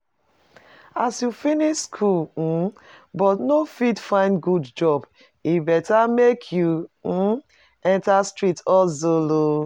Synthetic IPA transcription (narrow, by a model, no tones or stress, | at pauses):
asjufiniʃskʰul̩bɔtnofidfãɪ̃ndɡudd͡ʒɔb | ibɛtamekʰju | ɛ̃ntastɹitɔlzolo